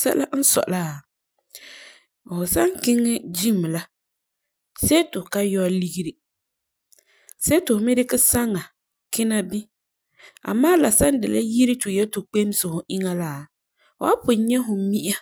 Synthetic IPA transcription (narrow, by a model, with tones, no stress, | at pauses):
sɛ̰˦la˦n̩˦sɔ̰˨ʔla˦˨ | hʊ˨sa˦ŋ˦kɪ˦ŋːɪ˦d͡ʒi˦˨m˨la˦ | sɛ˦tʊ˨ka˦jɔ˦li˦ɡi˦ɾi˦ | sɛ˦tʊ˨hmɪ˦ɾɪ˦kɪ˦sa˦ŋa˨ | kɪ˦na˦bi˦ | a̰˨maː˦la˨sa˦n˦dɪ˨la̰˦ji˦ɾi˦tʊ˨jɛ˦tʊ˨k͡pe˦m˦sɪ˨hʊ˨ʔɪ˦ŋa˦la˦˨ | ʊ̰˨a̰˦pʊ˨˦ɲɛ˦ɦʊ˨˦mi˦ʔa˦